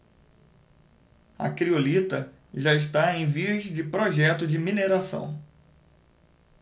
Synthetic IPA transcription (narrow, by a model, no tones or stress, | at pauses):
ɐ̰kɾiolit̪ɐ | ʒaɪʃ̬t̪aẽj̃vizd͡ʒɪpɾoʒɛt̪ʊd͡ʒɪmineɾasɐ̰̃w̃